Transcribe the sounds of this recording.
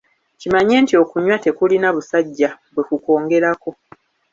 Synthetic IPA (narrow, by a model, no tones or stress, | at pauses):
cimaɲe̞ːntio̞kuɲwate̞kulinaβusaɟːaβwe̞kuko̞ːŋɡe̞ɾako̞